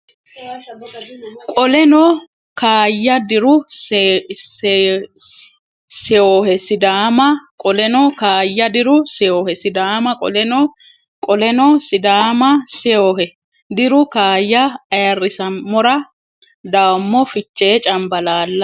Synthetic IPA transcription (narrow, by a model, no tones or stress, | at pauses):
kʼɔlɛnɔ | kaːjːɐd̪ɪɾʊ | sɪoːhɛsɪd̪aːmɐkʼɔlɛnɔkaːjːɐd̪ɪɾʊsɛjoːhɛsɪd̪aːmɐkʼɔ̰lɛnɔ | kʼɔlɛnɔsɪd̪aːmɐsɛoːhɛ | d̪ɪɾʊkaːjːɐːjɐrːɪsɐmːɔɾɐ | d̪aːmːɔfɪt͡ʃːeːt͡ʃʼɐmbɐlaːlːɐ